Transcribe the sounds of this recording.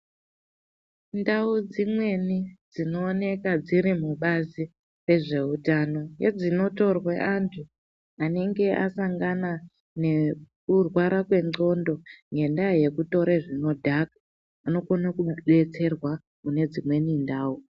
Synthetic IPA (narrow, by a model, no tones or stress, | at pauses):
ndaud͡zimwe̞nid͡zino̞ːne̞kad͡ziɾimuɓazi | pe̞ʐe̞utano̞jed͡zino̞to̞rweʔantʰu | ane̞ŋɡe̞ʔasaŋɡana | nekurwaɾakwe̞ŋ͡ǀo̞ndo̞ŋɡe̞ndaje̞kuto̞ɾeʐino̞dʱakḁ | ano̞konakuɓe̞t͡se̞rwa | mune̞d͡zimwe̞nindaːu